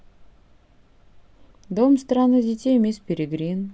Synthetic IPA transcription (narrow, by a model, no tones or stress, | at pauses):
d̪omst̪ranɨdʲɪtʲejmʲespʲeɾʲeɡɾʲin